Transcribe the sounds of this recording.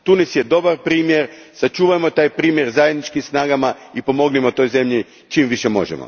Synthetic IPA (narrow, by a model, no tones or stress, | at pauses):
t̪unisjed̪o̞baɾpɾiːmjeɾ | sat͡ʃuːʋajmo̞t̪aːjpɾiːmjeɾzajed̪nit͡ʃkimsnaːɡamaipo̞mo̞ɡnimo̞t̪o̞jze̞mʎi | t͡ʃiːmʋiʃemo̞̰ʒḛmo̰